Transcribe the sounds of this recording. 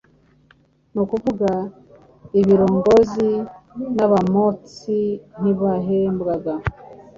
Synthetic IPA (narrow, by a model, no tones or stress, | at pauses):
nukuvuɡa | iβiɾo̞ːŋɡo̞zinaβamo̞t͡sin̥iβaɦembɡaɡa